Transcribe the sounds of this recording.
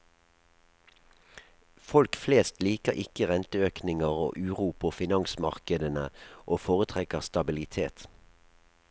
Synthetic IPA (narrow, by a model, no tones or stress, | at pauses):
fɔlkfleːst̪liːkəʁʔɪkəʁɛnt̪əøːknɪŋəʁo̰ːʔʉːʁuːpʰoːfɪnɑŋsmɑʁkəd̪ənəʔoːfoːʁət̪ʰʁɛkəʁst̪ɑbɪlɪt̪ʰeːt̪